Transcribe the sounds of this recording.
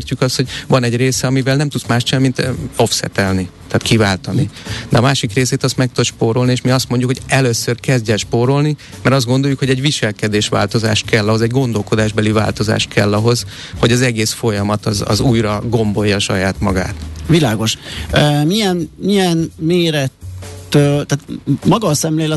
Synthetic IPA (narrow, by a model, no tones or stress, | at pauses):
rcykɒst̪ho̞ɟvɒnɛɟreːsɛɒmivɛlnɛmt̪ut̪smaːʃt͡ʃɛmːint̪o̞fsɛ̰t̪ɛlnit̪ɛːt̪kivaːlt̪ɒnid̪̥ɛɒmaːʃikreːseːt̪ɒst̪mɛk̚t̪oʃpoːɾo̞lnieʃmiɒst̪mo̞ɲɟukhoɟɛløsørkɛzdɟɛlʃpoɾo̞lni | mɛɾɒzd̪ɡo̞nd̪o̞ljukho̞ɟɛɟʋiʃɛlkɛd̪eːʃʋa̰ːlt̪o̞za̰ːʃt̪̚kɛlːɒɦo̞zɛɟɡo̞nd̪o̞lko̞d̪aːʒbɛliva̰ːlt̪o̞za̰ːʃt̪̚kʰɛlːɒɦo̞z | hoɟɒzɛɡeːsfo̞jɒmɒt̪ɒzɒ̰zuːjrɒɡo̞mbo̞jːɒːʃɒ̰jaːt̪mɒɡa̰ːt̪vilaːɡo̞ʃ | miɛnmiɛnmeːɾɛt̪ːøt̪aːt̪mɒɡɒsɛmleːlɛ